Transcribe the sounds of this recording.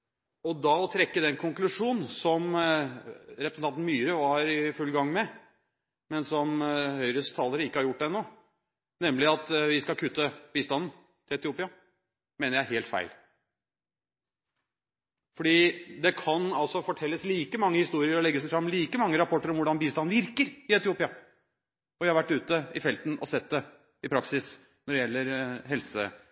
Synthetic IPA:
ɔd̪ɑɔt̪ʰɾɛkːəd̪ɛnkʰʊŋklʉʂuːn̩sɔm | ɾɛpɾsn̩ʰɑnt̪n̩myːɾəʋɑɾɪfʉlɡɑŋːmɛ | mɛnsɔmhœʏɾəst̪ʰɑːləɾəɪkːəhɑɾjʊʈːɛnːo | nɛmːlɪɑt̪ʋɪskɑlkʰʉt̪ːəb̥iːst̪ɑnn̩ | t̪ʰɪlɛt̪ɪuːpɪɑ | meːnəɾjæɪheːlt̪fæ̰ɪl | fɔɖiːd̪ɛkʰɑnɑlsɔfɔʈʰɛlːəsliːkəmɑŋːəhɪst̪uːɾɪəɾɔlɛɡːəsæɪfɾɑmːliːkəmɑŋːəɾɑpʰɔʈːəɾɔmʋʊɖɑnbiːst̪ɑnn̩ʋɪɾkəɾɪɛt̪ɪuːpɪɑ | ɔʋæhɑɾʋæʈːʉːt̪əɪfɛlt̪n̩ɔ̰sɛt̪̚d̪ɛ | ɪpʰɾɑksɪs | nɔɖɛjɛlːəɾɦɛlsə

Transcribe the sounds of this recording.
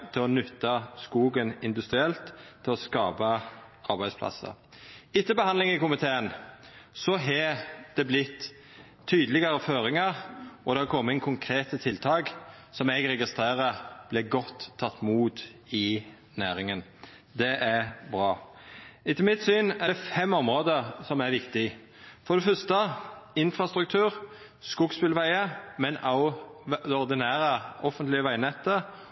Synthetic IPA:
t̪ʰɪlɔnʉt̪ːɑskuːɡənɪnd̪ʉst̪ʁɪɛlt̪ʰːɪlɔskɑːpɑɑʁbæɪd̪spʰlɑ̰sə̰ | ɪt̪ːəbəhɑnd̪lɪŋɪkʊmɪt̪ʰeːənsɔɦɛd̪̥ɛblɪt̪ʰː | yːd̪əlɪɡɑɾəføːɾɪŋɑɾɔd̪ɛkʰɔmːəɪŋkʰʊŋkʰɾeːt̪ət̪ʰɪlt̪ʰɑːk | sɔmɛɡɾɛɡɪst̪ʁeːʁəb̥lɛɡɔt̪ʰːɑt̪ːmuːt̪ɪ | næːɾɪŋən | d̪ɛʔæbɾɑː | ɪt̪ʰɪmɪt̪syːnæɛfɛmːɔmʁoːd̪əɾsɔmæɾʋɪkt̪ɪ | fɔɾd̪ɛfœst̪əɪnfʁɑst̪ɾʉk̚t̪ʰʉːʁ | skʊɡspɪlʋæɪəmɛnɑʊd̪ɔʁd̪ɪnæːɾəɔfənt̪lɪəʋæɪnɛt̪ːə

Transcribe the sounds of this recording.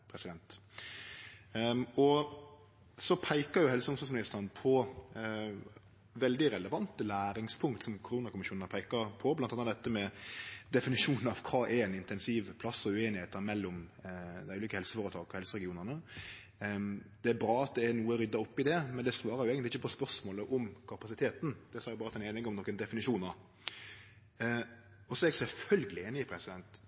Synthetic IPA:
pʰɾɛsɪd̪ɛnt̪ | ɔ | sɔpʰæɪkəjʊhɛlsəʊmsɑsmɪnɪst̪əʁnpʰɔ | ʋɛld̪ɪɾɛləʋɑnt̪əlæːɾɪŋspʰʊŋkt̪sɔmkʰʊɾuːnɑkʰʊmɪʃuːnnɑpʰæɪkɑɾpʰɔblɑnt̪ɑnɑd̪ɛt̪ːəmɛd̪ɛfɪnɪʃuːnn̩ɑʋkʰɑːʔɛɾɛnɪnt̪ɛnsiʋpʰlɑsːɔʉeːnɪheːt̪ːəɾmɛlːɔmd̪æɪʉːliːkəɛlsə̥foːɾət̪ʰɑːɡɔhɛlsəɾɛɡɪuːnəʁnə | d̪̥ɛæbɾɑːɑt̪̚d̪ɛːɾnuːəɾʏd̪ːɑɾɔpːɪd̪ɛmɛnd̪ɛsʋɑːɾɑɾjʊeːɡənlɪçːəpɔspœɾʂmoːləʔɔmkʰɑpɑsɪt̪ʰeːt̪n̩d̪̥ɛsɑːɾjʊbɑːɾət̪ʰɪɛneːnɪŋɔmnɔkːənd̪ɛfɪnɪʃuːnɑ | ɔsɔɛɡsɛlfœlɡəlɪeːnɪɪpʰɾɛsɪd̪ɛnt̪

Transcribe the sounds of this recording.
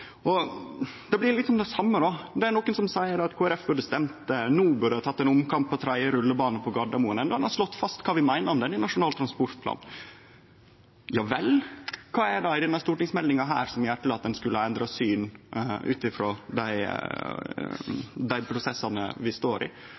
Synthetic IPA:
ʔɔ | d̪ɛblɪɾlɪkt̪sɔmd̪ɛsɑmːəɾɔd̪ɛæɾɳɔkːənsɔmsæɪəɖɑt̪kʰoːɛɾɛfbʉɖəst̪ɛmt̪nuːbʉɖəhɑt̪ʰɑt̪ːɛnʊmkʰɑmpːɔt̪ʰɾæɪəɾʉlːəbɑːnəpʰɔɡɑɖ̪ɑmuːənənɔd̪ɛnhɑʂlɔt̪ːfɑst̪kʰɑːʋɪmæɪnəɾɔmd̪ɛnɪnɑʂʊnɑːlt̪ʰɾɑnspɔɾt̪̚pʰlɑ̰ːn | jɑːʋɛlkʰɑːɛɖɑɪd̪ɛnɑst̪uːʈɪŋsmɛld̪ɪŋɑɦæ̰ːɾsɔmjæːʈʰɪlɑt̪̚d̪ɛnskʉləəɛnd̪ɾɑsyːnʔʉ̰ːt̪ɪfɾoːd̪æɪ | d̪æɪpʰɾʊsɛsːɑnə̰ʋɪst̪oːɾɪ̰

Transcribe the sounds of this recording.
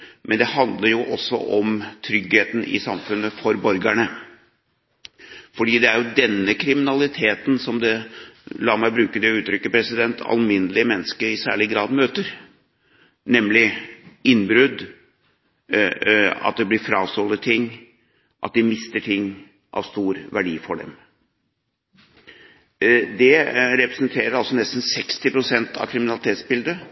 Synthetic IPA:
mʔɛnd̪ɛhɑnd̪ləɾjʊʔɔsːɔ̰ʔɔmt̪ʰɾʏɡheːt̪n̩ɪ̰sɑmfʉnːəfɔɾbɔɾɡæɳə | fɔɖiːd̪ɛæɾjʊd̪ɛnːəkʰɾɪmɪnɑlɪt̪ʰeːt̪n̩sɔmd̪ɛlɑːɾmæɪbɾʉːkəd̪ɛʉːt̪ʰɾʏkːəpʰɾɛsɪd̪ɛnt̪ʰɑ̰lmɪnəlɪəmɛnːəskəɾɪsæ̰ːɭɪɡɾɑːd̪møːt̪əɾ | nɛmlɪɪnːbɾʉd̪ | ɑ̰t̪̚d̪ɛblɪɾfɾɑːst̪ɔlːət̪ʰɪŋː | ʔɑ̰t̪̚d̪ɪmɪst̪əʈʰɪŋː | ʔɑ̰ʋst̪uːɾʋæɖiːfɔɖɛ̰m | d̪ɛɾɛpɾɛsənt̪ʰeːɾəɾɑlsɔnɛst̪n̩sɛkst̪ɪpɾʊsɛnt̪ʰɑ̰ʋkʰɾɪmɪnɑlɪt̪ʰeːt̪sbɪld̪ə

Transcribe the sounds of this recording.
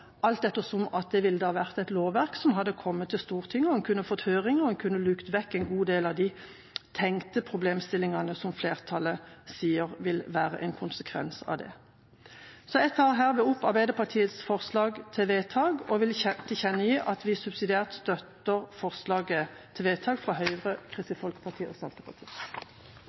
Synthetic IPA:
ʔɑlt̪̚d̪ɛt̪ːəsɔmɑt̪̚d̪ɛʋɪlːəd̪əhɑːʋæʁt̪ɛɪt̪loːʋʋæʁksɔmɦɑd̪ːəkʰɔmːət̪ʰːɪlst̪uːʁt̪ʰɪŋːɔɛnkʰʉnːəfɔt̪ːhøːʁɪŋəɔɛnkʰʉnːəlʉːkt̪ʋɛkːɛnɡuːd̪eːlɑʋd̪ɪ | t̪ʰɛŋkt̪əpʰʁʊbleːmst̪ɪlːɪŋɑnəsɔmfleːʁt̪ʰɑləsiːəʁʋɪlʋæːʁə̰ʔɛ̰nkʰʊnsəkʰʋɛ̰nsɑ̰ʋd̪ɛ̰ | sɔɛt̪ʰːɑɦæːʁʋɪʊpːɑʁbæɪd̪əpʰɑt̪ʰiːət̪sfɔʁslɑːɡt̪ʰeʋeːt̪ʰɑːɡɔʋɪlt̪ʰɪçɛnːəjiːʔɑt̪ʋɪsʉbsɪd̪ɪeːʁt̪st̪œt̪əʁfɔʁslɑːɡə | t̪ʰeʋeːt̪ʰɑːɡfʁɑɦœʏəʁəkʰʁɪsəfɔlkə̥pʰɑʁt̪ʰiːəɔsɑlt̪əpʰɑʁt̪ʰiː

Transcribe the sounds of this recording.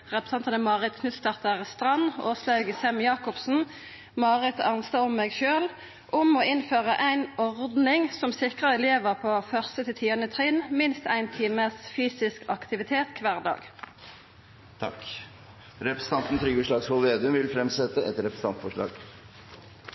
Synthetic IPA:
ʁɛpɾəsɑnt̪ɑnəmɑːʁɪt̪kʰnʉːt̪st̪ɑʁt̪əʁst̪ʁɑnoːslɑʉɡəsɛmjɑːkɔpsn̩ | mɑːʁɪt̪ʰɑnsɑɔmːeːɡʃøːl | ʔʊmɔɪnføːʁəʔæɪnɔʁd̪nɪŋsɔmsɪkʁəɛleːʋəʁpʰoːfœʁst̪ət̪ʰɪt̪ʰiːənət̪ʰʁiːnmɪnst̪æɪnt̪ʰiːməsfyːsɪskɑkt̪ɪʋɪt̪ʰeːt̪kʰʋæːʁd̪ɑ̰ːɡ | t̪ʰɑ̰k | ɾɛpɾəsə̥n̩t̪ɑnt̪n̩t̪ʰɾʏɡəʂɭɑːɡshɔlʋeːd̪ʉmʋɪlfɾɛmsɛt̪ːəɛt̪ɾɛpɾsɑnt̪fɔʂɭɑ̰ːɡ

